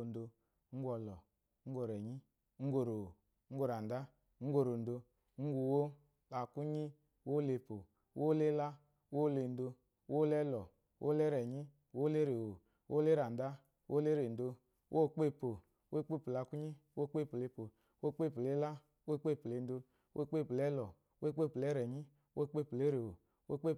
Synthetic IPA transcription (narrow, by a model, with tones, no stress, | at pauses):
n˨˦do˧˦ | ŋ̩˦ɡʷɔ˧lɔ˨ | ŋ̩˦ɡo˧ɾɛ˨ɲi˦ | ŋ̩˦ɡʷo˨ɾo˨o˨ | ŋ̩˦ɡʷo˨˧ɾa˨n˨da˦ | ŋ̩˦ɡo˧ɾo˨n̩˦do˧ | ŋ̩˦ɡʷu˨˧wo˦ | la˨ku˦ɲi˦ | wo˦le˧po˨ | wʔo˦le˦la˦ | wo˦le˧˨n̩˦do˧˦ | wo˦le˦lɔ˨ | wʔo̰˦le˦ɾɛ˨ɲi˦˨ | wo˦le˦ɾe˨wo˨ | wʔo̰˦le˦ɾa˨n˨da˦ | wʔo˦le˦ɾe˨n̩˨do˧ | wʔo˦˨k͡pe˦˨po˨ | we˦k͡pe˦˨po˨la˨ku˦ɲi˦wo˦˨˦k͡pe˦˨pu˨le˧po˨ | wʔo˦˨k͡pe˦˨po˨le˦la˦ | wo˦k͡pe˦˨pu˨e˨n̩˦do˧ | wo˦˨k͡pe˦˨plɛ˦lɔ˨˦we˦k͡pe˦˨pu˨lɛ˦ɾɛ˨ɲi˦ | wo˦˨˦k͡pe˦˨po˨le˦ɾe˨wo˨ | wo˦k͡pe˦˨